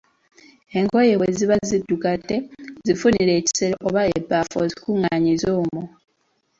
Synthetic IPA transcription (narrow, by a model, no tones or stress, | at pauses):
e̞ŋkojeeziβazidːukatːezifuniɾe̞ːci̥seɾaʔoβaebːafozikuŋaːɲizoːmo